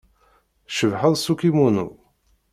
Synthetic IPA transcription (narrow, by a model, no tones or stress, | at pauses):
ʃəvħəðˤsukimunṵ